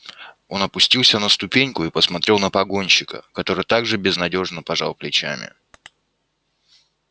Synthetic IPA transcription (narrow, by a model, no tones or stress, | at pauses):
o̞nɐpʊsʲtʲilˠsʲənəst̪ʊpʲenʲkʊipəsmɐt̪ɾʲe̞lˠnəpɐɡo̞nʲɕɪkə̰kɐt̪o̞ɾɨjt̪aɡʐɨbʲɪznɐdʲo̞ʐnəpɐʐalˠplʲɪt͡ɕæ̰mʲɪ̰